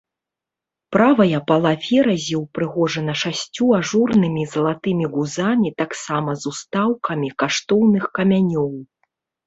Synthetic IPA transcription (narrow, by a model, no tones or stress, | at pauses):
pɾavɐjɐpɐlˠavʲɛɾɐzʲiwpɾɨɣɔʐɐnɐʂasʲt͡sʲuaʐurnɨmʲizɐlˠat̪ɨmʲiɣuzamʲit̪aksamɐzust̪awkʰɐmʲikaʂt̪ɔwnɨxkɐmʲanʲɔw